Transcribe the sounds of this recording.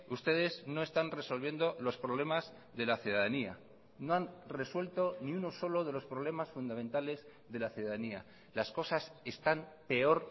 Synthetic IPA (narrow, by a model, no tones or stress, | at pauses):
ust̪e̞ð̞e̞zno̞e̞st̪anre̞so̞lβ̞je̞nd̪o̞lo̞spɾo̞β̞le̞maz | ðe̞laθjuðaðania̰ | no̞anre̞swe̞lt̪o̞niuno̞so̞lo̞ð̞e̞lo̞spɾoβ̞le̞masfund̪ament̪ale̞z | ðe̞laθjuðaðania̰ | lasko̞sase̞st̪ampe̞o̞ɾ